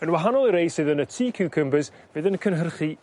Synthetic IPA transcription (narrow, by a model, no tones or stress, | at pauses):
ənwaɦanɔlˠiɾejsɨðənətʰiːkʰuwkʰəmbəs | vɨːðənkʰənɦərχi